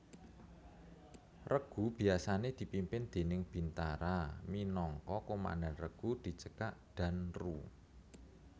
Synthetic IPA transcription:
rəɡ̥ṳb̥i̤asaned̪̥i̤pimpɪnd̪̥e̤nɪŋb̥i̤nt̪aɾaminɔŋkɔkoma̰ndanrəɡ̥ṳd̪̥i̤t͡ʃəkaʔd̪̥a̤nru

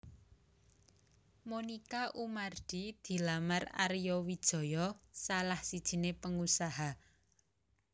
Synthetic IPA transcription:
monikaʔumard̪̥id̪̥i̤lamara̰ɾjɔwid̥ʒ̥ɔ̤jɔsalahsid̥ʒ̥i̤nepəŋusaɦa

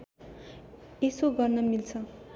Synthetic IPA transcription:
esoɡʌrnʌmilt͡sʰʌ

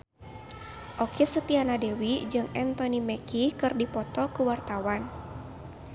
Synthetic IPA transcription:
ʔɔkɛsət̪ianadɛwid͡ʒɨŋɛnt̪ɔnimɛkikɨrdipɔt̪ɔkuwart̪awan

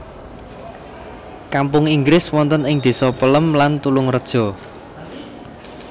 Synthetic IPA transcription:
kampʊŋiŋɡɾɪswɔnt̪ənɪŋd̪̥i̤sɔpələmlant̪ulʊŋrəd̥ʒ̥ɔ̤

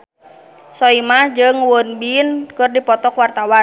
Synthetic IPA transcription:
sɔimahd͡ʒɨŋwɔnbinkɨrdipɔt̪ɔkwart̪awan

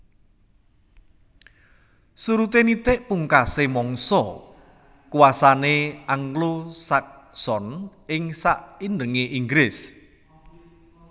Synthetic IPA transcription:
suɾut̪enit̪ɪʔpuŋkasemɔŋsɔ | kuwasaneaŋklosak̚sɔnɪŋsaʔinɖəŋeʔiŋɡɾɪs

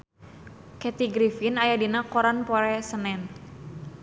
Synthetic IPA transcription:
kɛt̪iɡɾifinajadinakoɾanpoɾɛsənɛn

